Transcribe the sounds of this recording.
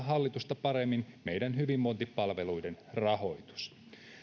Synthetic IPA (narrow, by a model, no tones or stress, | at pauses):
ɦɑlːit̪ust̪ɑpɑɾemːinme̞jdænhyʋimːont̪ipːɑlʋe̞lujdenrɑho̞jt̪u̥s